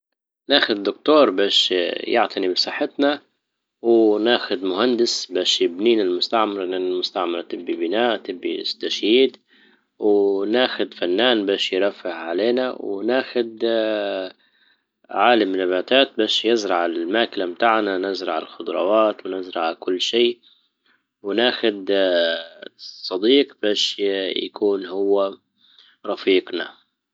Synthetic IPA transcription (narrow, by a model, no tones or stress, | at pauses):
naːxʊd̪ːʊkt̪uːɾˤbaːʃjɪʕt̪ʰanibsˤɑħːɪt̪na | wnaːxʊd̪mʊhand̪ɪsbaːʃjɪbniːnɪlmʊst̪aʕmɑɾˤɪnanalmʊst̪aʕmɑɾˤt̪ɪbːibɪnaːʔt̪ɪbːḭst̪aʃjiːd̪ | wnaːxʊd̪fanːaːnbaːʃjɾˤɑfːɪhʕaleːnawnaːxʊd̪ | ʕaːlamːɪnabaːt̪aːt̪̚baːʃjɪzɾɑʕalmaːkɪlamt̪aʕnanɪzɾˤɑʕɪ̰lxʊd̪ɾˤɑwaːt̪wnɪzɾˤɑʕkʊlːʃiː | wɪnaːxʊd̪ | sˤɑd̪iːqb̥aːʃja̰kuːnhʊwːa | ɾˤɑfiːqna̰